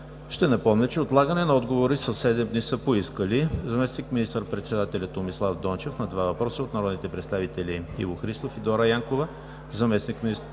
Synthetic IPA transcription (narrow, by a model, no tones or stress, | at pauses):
ʃt̪ɛnɐpɔmnɛt͡ʃɛot̪lˠaɡənɛnɐɔd̪ɡovoɾisɐsːɛd̪ɛmd̪nisəpoiskəlizɐmɛsnikminist̪əɾpɾɛt̪sɛd̪at̪ɛlʲɐt̪omislˠavd̪ɔnt͡ʃɛfnɐd̪vavɐpɾɔsəot̪nɐɾɔd̪nit̪ɛpɾɛt̪st̪avit̪ɛliḭvoxɾist̪ofid̪ɔɾɐjaŋkovə | zɐmɛsnikmiist̪